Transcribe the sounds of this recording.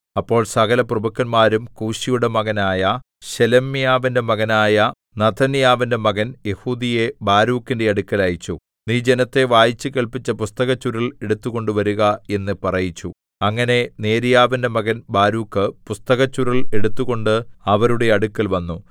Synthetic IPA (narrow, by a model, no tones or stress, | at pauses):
ɐpːo̞ːɭsɐɣɐlɐprɐbukːɐnmaːɾumkuːɕijuɽe̞mɐɣɐnaːjɐ | ɕelɐmːijaːʋinde̞mɐɣɐnaːjɐ | nɐt̪ʰːɐnijaːʋinde̞mɐɣɐnje̞huːd̪ijebaːɾuːkːinde̞ɐɽukːɐlajit͡ɕːu | niːd͡ʑe̞nɐt̪ːe̞ʋaːjit͡ɕːɨkeɭpit͡ɕːɐpust̪ɐɣɐt͡ɕːuɾɐɭe̞ɽut̪ːuɣo̞ɳɖɨʋɐɾuɣɐe̞nːɨpɐrɐjit͡ɕːu | ɐŋːɐne̞ne̞ːɾijaːʋinde̞mɐɣɐnbaːɾuːkːɨpust̪ɐɣɐt͡ɕːuɾɐle̞ɽut̪ːuɣo̞ɳɖɨɐʋɐɾuɽe̞ɐɽukːɐlʋɐnːu